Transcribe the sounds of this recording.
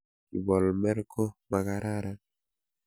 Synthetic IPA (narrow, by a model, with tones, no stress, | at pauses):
i˨bɔ˨lmɛ˦ɾkɔ˦ma˨ka˨ɾa˦ɾa˨